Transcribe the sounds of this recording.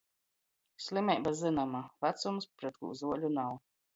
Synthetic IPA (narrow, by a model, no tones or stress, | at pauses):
sʲlʲˠimʲɛjbazɨnamavat̪sumspɾɛt̪̚kṵːzuɔlʲunaw